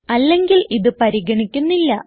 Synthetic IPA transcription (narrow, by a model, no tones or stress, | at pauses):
ɐlːe̞ŋɡiliðɨpɐɾiɣɐɳikʲːunːilːɐ